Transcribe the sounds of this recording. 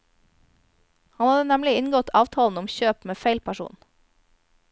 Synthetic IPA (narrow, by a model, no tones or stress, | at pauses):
hɑnhɑd̪ənɛmlɪɪnɡɔt̪ʰɑːʋt̪ʰɑːln̩ʊmçøːpmeːfeɪlpʰæʃṵːn